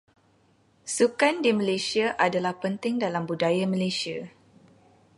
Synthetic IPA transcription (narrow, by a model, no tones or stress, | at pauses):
sukandimə̃lesiaʔadalahpənt̪ɪŋdalambudajamə̃lesia